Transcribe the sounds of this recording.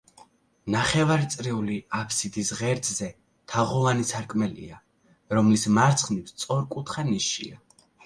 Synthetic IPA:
naχɛvaɾit̪sʼɾiuliapʰsid̪isʁɛɾd̪zɛ | t̪ʰaʁɔlanisʰaɾkʼmɛlḭa | ɾɔmlismaɾt̪sʰχnipst̪sʼɔɾkʼut̪ʰχaniʃḭa

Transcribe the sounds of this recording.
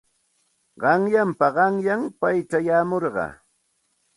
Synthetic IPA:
ɢɑŋjampaɢɑŋjaŋpajt͡ʃajaːmoɾɢɑ̰

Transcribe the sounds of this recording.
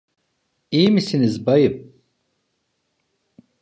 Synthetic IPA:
ijmisinizbajɯp̚

